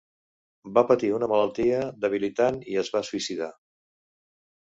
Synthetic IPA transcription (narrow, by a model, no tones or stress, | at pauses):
bapət̪iunəmələlˠt̪iəd̪əβ̞ilit̪aniəzβasuisiða